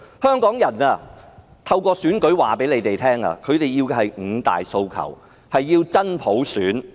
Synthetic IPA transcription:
hœː˥ŋkɔː˨˥ŋjɐ˨˩naː˧ | t̪ʰɐ˧wkɔː˧syː˨˥nkɵ˨˥ɥwaː˨˩pe˨˥jle˨˧jt̪e˨jt̪ʰɛː˥ŋa̰ː˧kʰɵ˨˧ɥt̪e˨jːiː˧whɐ˨jŋ̩˨˧t̪a̰ː˨jso˧wkʰɐ̰˨˩w | hɐ˨jːiː˧wt͡sɐ˥npʰo˨˥wsyː˨˥n

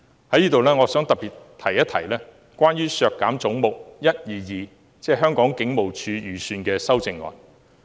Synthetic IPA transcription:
hɐ˨˥jiː˥t̪o˨wlɛː˥ŋɔː˨˧sœː˨˥ŋt̪ɐ˨p̚piː˨˩t̚t̪ʰɐ˨˩jɐ˥t̚t̪ʰɐ˨˩jlɛː˥ | kʷwʷaː˥nɥyː˥sœː˨˧kːaː˨˥mt͡sʊ˨˥ŋmo˨k̚jɐ˥t̚jiː˨˩jiː˨ | t͡sɛː˧˩ɦœː˥ŋkɔː˨˥ŋkɪ˨˥ŋmo˨wt͡ʃʰyː˨˧jyː˨˧syː˧nkɛː˧sɐ˥wt͡sɪ˨˧ŋːɔ̰ː˨˩n

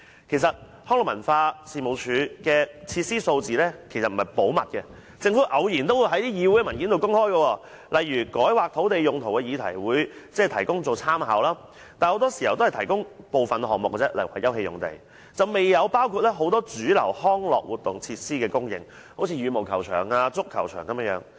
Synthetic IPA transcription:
kʰe˨˩sɐ˨t̚ | hɔː˥ŋɔ˨mɐ˨˩nfaː˧siː˨˧mo˨˩wt͡ʃʰyː˨˧kɛː˧t͡sʰiː˧t̚siː˥so˧wt͡siː˨lɛː˥kʰe˨˩sɐ˨t̚m̩˨˩hɐ˨˩jpo˨˥wmɐ̰˨t̚kɛ˧ | t͡sɪ˧ŋfuː˨˥ʔɐ˨˧wjiː˨˩nt̪o˥wu˨˧jɦɐ˨˥jt̪iː˥jiː˨˧wu˨˥jɛ˥˩mɐ˨˩nkiː˨˥nt̪wkʊ˥ŋhɔː˥jɡə˧wɔː˧ | lɐ˨jɥyː˨˩kɔː˨˥jwaː˨k̚t̪ʰo˨˥wt̪e˨jjʊ˨ŋt̪ʰo˨˩wkɛ˧jiː˨˧t̪ʰɐ̰˨˩jwuː˨˧jt͡sɛ˥˨t̪ʰɐ˨˩jkʊ˥ŋt͡so˨wt͡sʰaː˥mɦa̰ː˨˧wlaː˥ | t̪aː˨˧nho˨˥wt̪ɔː˥si˨˩hɐ˨wt̪o˥hɐ˨˩t̪ʰɐ˨˩jkʊ˥ŋpo˨wfɐ˨nɦɔː˨ŋ̚mʊ̰˨k̚t͡sɛ˥lɐ˨˩jwa̰˨˩jɐ˥wɦe˧jʊ̰˨ŋt̪e˨j | t͡sɐ˨wme˨jːɐ˨˧wpaː˥wkʰuː˧t̚lɛ˥ɦo˨˥wt̪ɔː˥t͡ʃyː˨˥lɐ̰˨˩whɔː˥ŋlɔ̰ː˨k̚wuː˨˩t̪ʊ˨ŋt͡sʰiː˧t̚siː˥kɛː˧kʊ˥ŋjɪ̰˨ŋ | ho˧˥wt͡sʰiː˧jyː˨˧mo˨˩wkʰɐ˨˩wt͡ʃʰœː˨˩ŋaː˧t͡sʊ˥kʰːɐ˨˩wt͡ʃʰœː˨˩ŋkɐ˨˦mɛː˧˥jœː˨˥ŋ

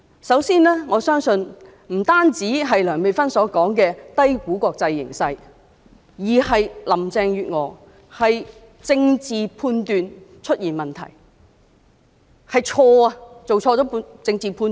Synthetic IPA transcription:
sɐ˨˥wsiː˥nlɛː˥ŋɔː˨˧sœː˥ŋsɵ˧n | m̩˨˩t̪aː˥nt͡siː˨˥ɦɐ˨jlœː˨˩ŋme˨jfɐ˥nsɔː˨˥kɔː˨˥ŋkɛː˧t̪ɐ˥jkuː˨˥kʷɔː˧k̚t͡sɐ˧jːɪ̰˨˩ŋsɐ˧j | jiː˨˩hɐ˨jlɐ˨˩mt͡sɛː˧ŋjyː˨t̚ŋɔː˨˩ | hɐ˨j | t͡sɪ˧ŋt͡siː˨pʰuː˧nt̪yː˨˧nt͡ʃʰɵ˥t̚jiː˨˩nmɐ˨˩nt̪ʰɐ̰˨˩j | hɐ˨jt͡ʃʰɔː˧ɐ˧t͡so˨wʰɔː˧t͡sɔː˨˥pːt͡sɪ˧ŋt͡siː˨pʰuː˧n

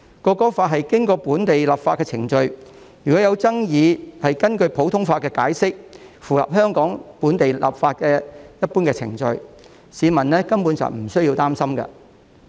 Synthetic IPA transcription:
kɔː˧kɔː˥faː˧t̚ɦɐ˨jkɪ˥ŋkɔː˧puː˨˥nt̪e˨jla˨p̚faː˧tkɛː˧t͡sʰɪ˨˩ŋt͡ʃɵ˧ɥ | jyː˨˩kɔ˨˥jɐ˨˧wt͡sɐ˥ŋjiː˨˧hɐ˨jkɐ˥nkɵ˧ɥpʰo˨˥wt̪ʰʊ˥ŋfaː˧t̚kɛː˧ka̰ː˨˥jsɪ˥k̚fuː˨hɐ̰˨p̚ɦœː˥ŋkɔː˨˥ŋpuː˨˥nt̪e˨jla̰˨p̚faː˧t̚kɛː˧jɐ˥t̚puː˥nkɛː˧t͡sʰɪ̰˨˩ŋt͡ʃɵ̰˧ɥ | siː˨˧mɐ˨˩nlɛː˥kɐ˥mpu˨˥nsɐ̰˨wm̩˨˩sɵ˥ɥjiː˧wt̪aː˥msɐ˥mkɐ̰˧

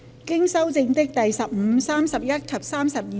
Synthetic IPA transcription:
kɪ˥ŋsɐ˥wt͡sɪ˧ŋt̪ɪ˥k̚t̪ɐ˨jsɐ˨p̚m̩˨˧saː˥msɐ˨p̚jɐ˥t̚kʰɐ˨p̚saː˥msɐ˨p̚jiː˨

